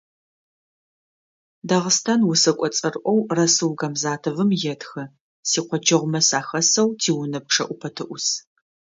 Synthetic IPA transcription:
daʁəstʰaːnwʊsɐkʷʼɔt͡sʼɐrʔʷɔwrɐsɨwɡɐmzaːtʰɨvɨmjɛtʰxɐ | siːqʷɔt͡ʃʰɐʁʷʊmɐsaːxɐsɐwtʰiːwʊnɐp̚ʂʰɐʔʷʊpʰɐtʰɨʔʷʊs

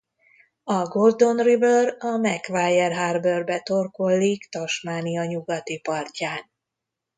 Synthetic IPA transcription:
ɒɡo̞rd̪o̞nribørɒmɛkvaːjːɛrɦaːrbørbɛt̪o̞rko̞lːikt̪ɒʃmaːniɒɲuɡɒt̪ipɒrcaːn

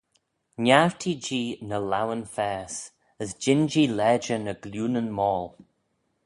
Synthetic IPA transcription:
naɹtʰid͡ʒiːnəlawənfɛːs | əzd͡ʒɪnd͡ʒiːlɛːd͡ʒənəɡljuːnənmɔːl

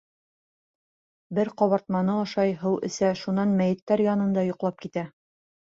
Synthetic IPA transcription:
bɘɾqɒβɑɾt̪mɑnɤɒʃɑjɦɤwɘ̰̆sæʃunɑnmæjɘ̆t̪ːæɾjɑnɤ̆nd̪ɑjŏqlˠɑp̚kit̪æ

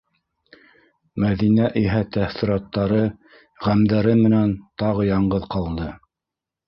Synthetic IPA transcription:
mæðinæʔiɦæt̪æθĭɾɑt̪ːɑɾɤ | ʁæmd̪æɾɘmɘ̆nænt̪ɑʁɤjɑɴɢɤðqɑlˠd̪ɤ

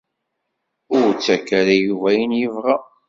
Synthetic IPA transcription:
ʊɾt͡sːækːæɾæjuvæjənjəvʁa

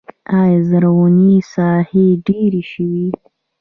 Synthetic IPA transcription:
ɑjzaɾawanisɑheɖeɾiʃəwi

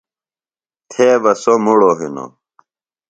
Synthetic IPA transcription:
t̪ʰeːʋɐsomuɽoɦino̰

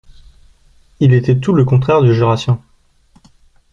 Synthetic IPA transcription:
ilet̪ɛt̪uləkɔ̃t̪χɛʁd̪yʒyʁasjɔ̃

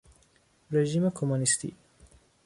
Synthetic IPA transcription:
ɾeʒimakʰomunist̪ḭ

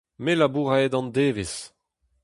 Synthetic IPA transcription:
melabuʁaed̪ɑ̃nd̪eːves

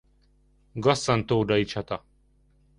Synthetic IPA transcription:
ɡɐsːɐnt̪oːɖɐit͡ɕʰɐt̪a

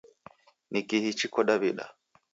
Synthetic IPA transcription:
nikihit͡ʃikɔɗaβiɗa̰

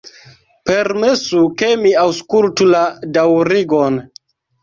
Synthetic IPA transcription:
pe̞ɾme̞sukemiawskultuladawɾiɡon

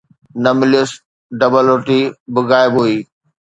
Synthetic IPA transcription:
nɐmɪlijʊs | ɖɐbəloʈibɪɣaːɪbɦuiː

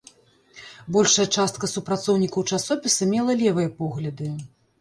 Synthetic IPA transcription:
bɔlʲʂɐjɐt͡ʂast̪̚kɐsupɾat̪sɔwnʲikɐwt͡ʂasɔpʲisɐmʲɛlˠɐlʲɛvɨjɐpɔɣlʲɐd̪ɨ

